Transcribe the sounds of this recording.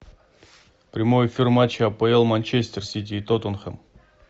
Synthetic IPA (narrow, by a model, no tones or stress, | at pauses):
pɾʲɪmojɪfʲirmat͡ɕːɪɐpəɛlˠmanʲt͡ɕesʲt̪ʲersʲit̪̬ʲiːt̪ot̪onxəm